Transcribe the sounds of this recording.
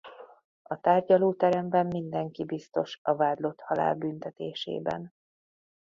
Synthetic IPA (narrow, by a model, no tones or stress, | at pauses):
ɒt̪aːrɟɒloːt̪ɛɾɛmbɛmːind̪ɛŋkibist̪o̞ʃɒvaːd̪lo̞t̪hɒla̰ːlbynt̪ɛt̪ḛːʃḛːbɛ̰n